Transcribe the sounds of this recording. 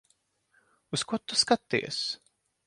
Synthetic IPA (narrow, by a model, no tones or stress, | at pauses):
uskut̪uskat̪ːḭɛs